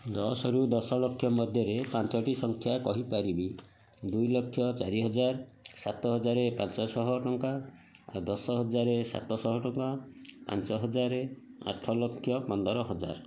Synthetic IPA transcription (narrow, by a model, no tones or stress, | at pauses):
d̪ɔsɔɾud̪ɔsɔlɔkʰːjɔmɔd̪ʱjɔɾepãnt͡ʃɔʈisɔŋkʰjakɔɦipaɾibi | d̪ujlɔkʰːjɔt͡ʃaɾiɦɔd͡ʒaɾsat̪ɔɦɔd͡ʒaɾepant͡ʃɔsɔɦɔʈɔŋka | a̰d̪ɔsɔɦɔd͡ʒaɾesa̰t̪ɔsɔɦɔʈɔŋkapa̰nt͡ʃɔɦɔd͡ʒaɾe | a̰ʈʰɔlɔkʰːjɔpɔnd̪ɔɾɔɦɔd͡ʒa̰ɾ